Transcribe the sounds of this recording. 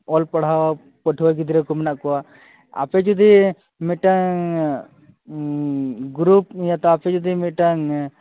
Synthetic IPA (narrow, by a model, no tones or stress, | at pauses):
ɔlpɔɽ̤awa | pɔʈʰuwaɡid̪iɾɛkɔmɛnaʔkɔwa | a̰pɛd͡ʒud̪i | mɛʈaŋ | ɡɾupjat̪ɔapʰɛd͡ʒud̪imɛʈaŋ